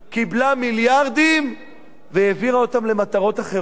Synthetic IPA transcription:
kiblamiljaʁd̪im | veeviʁaot̪amle̞mat̪aʁo̞t̪aχe

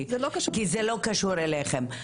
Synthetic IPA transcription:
zlokɐʃkizelo̞kaʃuʁeleχem

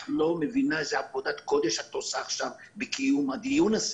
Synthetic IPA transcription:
lo̞mevinaʃeapod̪at̪ko̞d̪e̞ʃat̪osaːχʃav | bekijumad̪ijunas

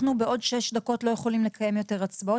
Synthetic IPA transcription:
nubeo̞dʃeʃd̪ako̞tlo̞je̞χo̞limle̞kʰaje̞mjo̞te̞ʁat͡sbo

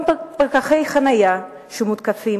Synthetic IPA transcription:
paʁkaχejχanaja | ʃumut̪kafi

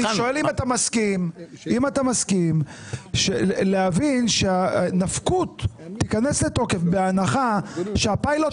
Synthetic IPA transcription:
iʃoelimat̪amaskimimatamaskim | ʃelehavinʃeanafkut̪ːikanesleto̞ke̞fbeanaχaʃeapajlo

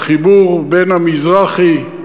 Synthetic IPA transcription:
χibuʁbenhamizʁaχi

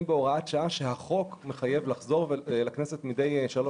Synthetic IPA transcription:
mbeo̞ʁaatʃaaʃehaχo̞kme̞χaje̞vlaχzo̞ʁvelaknesetmide̞jʃalo

